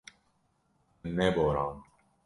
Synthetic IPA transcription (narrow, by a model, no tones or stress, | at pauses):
nːeboːɾam